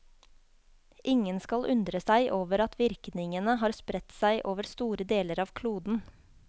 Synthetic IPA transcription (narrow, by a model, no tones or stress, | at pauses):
ʔɪŋənskɑlʔʉnd̪ɾəsæɪʔoːʋəɾɑt̪ʰʋɪɾknɪŋənəɦɑːɾspɾɛt̪sæɪʔoːʋəɾst̪uːɾəd̪eːləɾɑːʋkʰluːd̪n̩